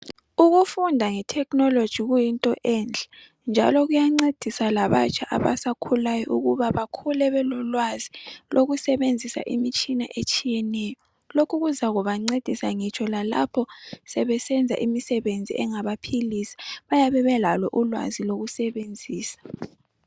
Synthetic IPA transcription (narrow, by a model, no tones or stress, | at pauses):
uɣufundʱaŋɛtʰɛkʰnɔlod̥ʒ̥ʱiɣujintʼɔʔɛːnd͡ɮʱa | nd͡ʒʱa̰lɔɣujaŋ͡ǀed̥ʱisalaβa̰t͡ʃʰʼaʔaβa̰sakʰulajɔʔuɣuβaβakʰulɛβɛlɔlwazilʔoɣusɛβend͡zʱisa̰ʔimit͡ʃʼinaʔet͡ʃʼijɛnɛjɔ | lokʰuɣuzaɣuβaŋ͡ǀed̥ʱisaŋit͡ʃʰɔlala̰pʰɔsɛβɛsɛnd͡zʱa̰ʔimisɛβend͡zʱḭʔɛŋaβapʰilisi̥βajaβɛβɛlalɔʔulwa̰ziloɣusɛβend͡zʱiːsḁ